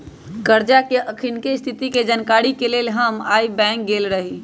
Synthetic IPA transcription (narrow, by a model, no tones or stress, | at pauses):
kəɾd͡ʒakeʔəkʰinkest̪ʰit̪iked͡ʒənkaɾikelelɦəmaːibɛ̃ŋk̚ɡelɾəɦi